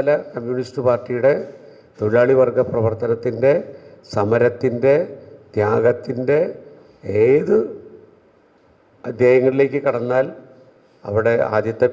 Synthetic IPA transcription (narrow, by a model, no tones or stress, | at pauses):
ɐlɐkɐmjuɳistɨpaːrtːijuɽe̞ | t̪olaːɭiʋɐrɡɐprɐʋɐrt̪ɐnɐt̪ːinde̞sɐmɐɾɐt̪ːinde̞t̪jaːɡɐt̪ːinde̞ | eːðɨ | ɐd̪jaːjɐŋːɐɭile̞ːk̬ʲːɨkɐɽɐnːaːl | ɐ̰ʋiɽe̞a̰ːd̪jɐt̪ːɐ